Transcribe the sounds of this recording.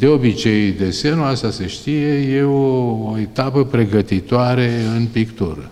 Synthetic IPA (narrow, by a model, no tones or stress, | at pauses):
d̪e̞o̞bit͡ʃe̞jd̪e̞semnuast̪ase̞ʃt̪ije̞je̞oːet̪apəpɾe̞ɡət̪it̪oaɾeɨnpikt̪uɾə̰